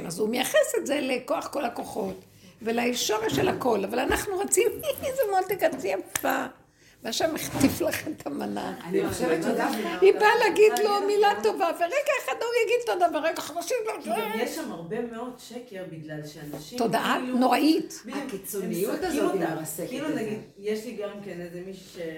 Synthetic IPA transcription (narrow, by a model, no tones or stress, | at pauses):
mʔazumejaχesetzelekoaχko̞lako̞χo̞t̪ | velaiʃoʁeʃelhako̞lavalanaχnuʁat͡simzemolt̪ekat͡siamtva | vaʃameχt̪iflaχet̪amana̰niʃeveodahibaleaɡid̪lo̞milat̪o̞vaveʁeɡaeχad̪ojaɡid̪̚t̪odabeʁeɡaχnoʃimlaajeʃʃamaʁbemeodʃekeʁbiɡlalʃeanaʃitod̪aʔanoʁaʔitakit͡sonijut̪azotasekilunaɡid | jeʃliɡamkenezemiʃu̥ʃe